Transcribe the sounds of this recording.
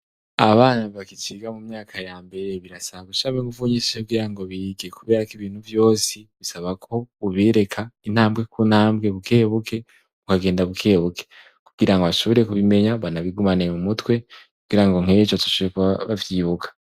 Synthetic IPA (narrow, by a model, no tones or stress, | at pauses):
aβaːnaβakit͡ʃiɡamumɲaːkʰajaːmbe̞ɾe̞βiɾasaβaɡuʃaβeŋɡuvuɲiseubɡiːɾaŋɡo̞βiɡekuβe̞ːɾakiβiːn̥huvjo̞ːsiβisaβakʰo̞uβiɾe̞kʰain̥haːmɡe̞kʰun̥haːmbɡe̞βukʰeːβukʰe̞ | βukaɡe̞ːndaβukʰe̞ːβukʰe | kuɡ̥iɾaŋɡoβaʃoβoɾe̞kuβime̞ɲaβanaβiɡumanemumutwe̞kuɡiɾaŋɡo̞ŋ̥et͡ʃotu̥ʃuekβavjiːβukʰḁ